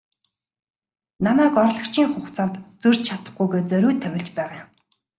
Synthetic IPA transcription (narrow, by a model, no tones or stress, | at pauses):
namæːkɔrɮɞ̆kt͡ɕʰiːŋχʊχt͡sant̪t͡sɵr̥ʲt͡ɕt͡ɕʰat̪ə̥̆χɡujɣeːt͡sœɾʲuːt̪ʰːœwʲɪ̆ɮt͡ɕpæːʁam